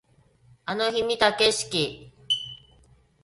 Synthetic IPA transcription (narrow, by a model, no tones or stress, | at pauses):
anoçimit̪akeɕi̥kʲi